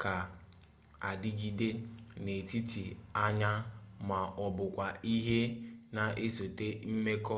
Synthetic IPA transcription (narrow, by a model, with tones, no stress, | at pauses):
ka˨ | a˨dɪ˦ɡi˨de˦ne˨ti˦ti˨a˦ɲa˦ma˨ʔɔ˨bʊ˨kʷa˨i˦ɦe˦na˨e˦so˨te˦m̩˦me˦kɔ˦